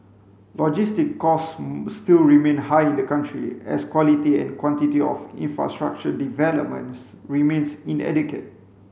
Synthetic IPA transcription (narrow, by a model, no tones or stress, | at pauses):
lɔd͡ʒistikːɔsːtilɹimẽnhajĩndəkãntɹḭɛ̰skwɔlitiɛ̰̃nkwɔ̃ntitiɔ̰fḭ̃nfɹa̰stɹa̰k̚t͡ʃədivɛləp̚mə̰̃nsɹimẽnsĩnɛ̰dikət̚